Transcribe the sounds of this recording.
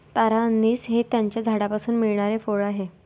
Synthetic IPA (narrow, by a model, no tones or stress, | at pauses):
t̪aɾaənːiːsɦet̪jaɲt͡ɕjad͡zʱaɽapasuːnmiɭɳ̃aɾefoɭaɦe